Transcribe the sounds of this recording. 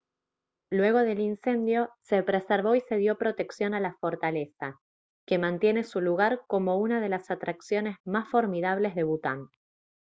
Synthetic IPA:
lwe̞ɣ̞o̞ð̞e̞linse̞nd̪jose̞pɾeseɾβo̞ise̞ð̞jo̞pɾo̞t̪e̞ksjo̞nalafo̞ɾt̪ale̞sa | ke̞mãnt̪je̞ne̞suluɣaɾko̞mo̞unað̞e̞lasat̪ɾaksjo̞ne̞zmasfo̞ɾmiðaβle̞zðe̞βut̪a̰n

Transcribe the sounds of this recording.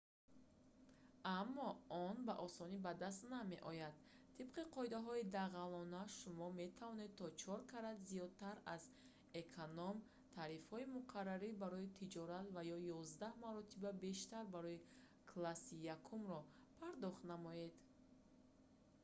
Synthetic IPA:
amːɔɔnbaʔɔsɔnibad̪as̬t̪name̞ʔɔjad̪ | t̪ʰːib̥qiqʰɔid̪aɦɔid̪aʁalɔnaʃumɔme̞t̪ʰavɔne̞d̪̚t̪ʰɔt͡ʃʰɔɾkʰaɾad̪zijɔd̪̚t̪ʰaɾaz | ekʰonɔm | t̪ʰaɾifhɔimuqʰarːaɾibaɾɔit̪ʰid͡ʒɔɾat̪vajɔjɔzd̪ahmaɾɔt̪ʰibabe̞ʃt̪aɾbaɾɔji | kʰlasijakʰumɾɔpʰaɾd̪ɔχt̪namɔje̞d̪

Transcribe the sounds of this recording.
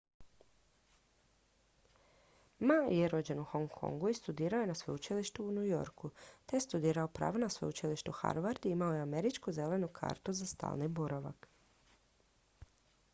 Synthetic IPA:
majeɾo̞d͡ʑe̞nuxoŋkʰo̰ŋɡuist̪ud̪iːɾaoje̞nasʋout͡ʃiliʃt̪uːnujo̞̰ɾkut̪ejest̪ud̪iːɾao̞pɾa̰ːʋonasʋo̰ut͡ʃiliʃt̪uxa̰ɾʋaɾd̪iimaojeameɾit͡ʃkuze̞le̞nukʰa̰ːɾt̪uzast̪a̰ːlnibuɾaʋa̰k

